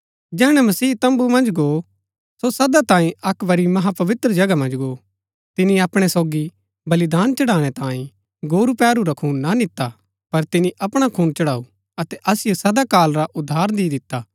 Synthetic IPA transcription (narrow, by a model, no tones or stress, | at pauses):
d͡ʒɛːɽ̃ɛmɐsiːt̪ɐ̃mbumɐ̃nd͡ʒɡo | sosɐd̪at̪ãːĩɐkʋɐɾimɐɦapɐʋɪt̪ɾəd͡ʒɐɡamɐ̃nd͡ʒɡoː | t̪ɪniɐpɽ̃ɛsoːɡi | bɐlɪd̪aːnt͡ʃɐɽaːɽ̃ɛt̪ãːĩ | ɡoːɾupɛːɾuɾɐkʰuːnːanɪt̪ːa | pɐɾt̪ɪniʔɐpɽ̃akʰuːnt͡ʃɐɽaːu | ɐt̪ɛʔɐsɪjosɐd̪akaːlɾaʔʊd̪ʱːaːɾd̪id̪ɪt̪ːaː